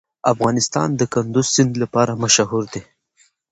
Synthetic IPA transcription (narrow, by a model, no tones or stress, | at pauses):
afɣɑnɪst̪ɑ̰nd̪əkand̪ʊzsɪnd̪lapɑɾamaʃaɦuɾd̪e